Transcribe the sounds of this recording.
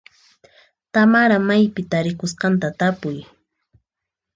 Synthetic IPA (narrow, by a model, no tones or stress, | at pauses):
t̪amaɾamajpɪt̪aɾɪkʊsqɑnt̪at̪apʊj